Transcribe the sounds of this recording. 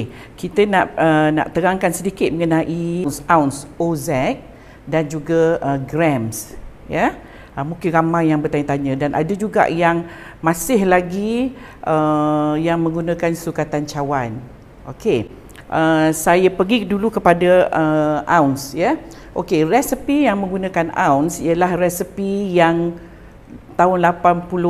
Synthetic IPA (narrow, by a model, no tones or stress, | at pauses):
kit̪ənaʔəna̰ʔt̪əɾaŋkansədikɪt̪̚məŋənaʔinsawnsozɛk̚ | dand͡ʒuɡaəɡɾɛms | jə | ʔəmũŋkɪnɾamãjjaŋbərt̪aɲət̪aɲə̃danʔa̰dəd͡ʒuɡa̰ʔjaŋ | mãsɪhlaɡi | ʔəjaŋmə̃ŋɡunãkansukat̪ant͡ʃawan | ʔoke | ʔəsajapəɡidulukəpadaəʔawnsjə | ʔokerɛsəpijaŋmə̃ŋɡunãkana̰wnsiəlahrɛsipijaŋ | t̪aʊnlapanpulʊ